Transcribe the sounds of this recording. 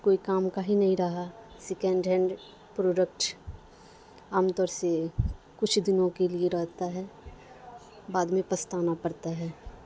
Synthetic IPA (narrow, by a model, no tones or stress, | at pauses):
koːikaːmkaɦinɐɦĩɾɐɦasɪkɛ̃ɳɖɦɛ̃ɳɖ | pɾoːɖəkʈ | aːmt̪ɔːɾse | kʊt͡ʃʰd̪ɪnõkelieɾɐɦt̪aɦɛː | baːd̪mẽpɐst̪aːnapɐɾt̪aɦɛː